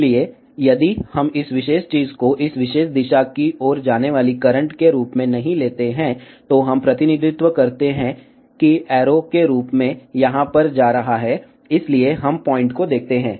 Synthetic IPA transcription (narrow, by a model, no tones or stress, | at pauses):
lie | jɐd̪ihɐmɪsʋɪʃeːʃt͡ʃiːzkoʔɪsʋɪʃeːʃd̪ɪʃakiʔɔːɾd͡ʒaːneʋaːlikɐɾə̃ɳʈkeɾuːpmẽnɐɦĩleːt̪eɦɛ̃ | t̪oɦɐ̃mpɾɐt̪ɪnɪd̪ʱɪt̪ʋəkɐɾt̪eɦɛ̃ | kiɛːɾokeɾuːpmẽjɐɦãpɐɾd͡ʒaːɾɐɦaɦɛ | ɪslieɦɐmpɔːɪ̃ɳʈkod̪eːk̚ʰt̪eɦɛ̃ː